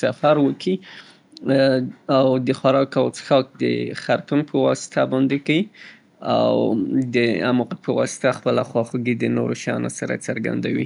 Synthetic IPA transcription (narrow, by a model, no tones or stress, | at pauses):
safaɾwəkʰi | awd̪əxwaɾɑkawt͡sə̥xɑk̚d̪ə̰xaɾt̪unpʰəwɑsɪ̥t̪abɑnd̪ekai | a̰wd̪əamuqat̪̚pəwɑ̰sɪ̥t̪axpəlaxwɑxuɡid̪ənoɾoʃajɑ̰nosaɾa̰t͡səɾɡa̰nd̪awḭ